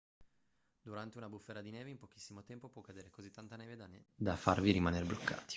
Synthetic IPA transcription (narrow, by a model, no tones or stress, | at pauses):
d̪uɾant̪eunabufːeːɾad̪ineːveimpok̟i̥sːimot̪ɛmpopwɔkːad̪eːɾekozit̪ːant̪aneːvead̪afarviɾimanerblokːa̰ːt̪i̥